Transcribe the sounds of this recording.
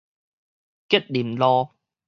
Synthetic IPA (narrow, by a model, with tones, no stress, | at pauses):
kɛ˥t̚li˨˩mlɔː˧